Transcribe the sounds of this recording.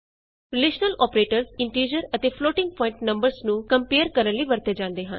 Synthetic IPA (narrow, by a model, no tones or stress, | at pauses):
ɾɪleːʃnəlʔɔːpɾeːʈəɾsɪɳʈiːd͡ʒəɾət̪eːpʰloːʈɪ̃ŋɡ̚pɔːɪ̃ɳʈnə̃mbəɾznũːkəmpeːəɾkəɾənliːbəɾt̪eːd͡ʒãːnd̪eːɦə̰n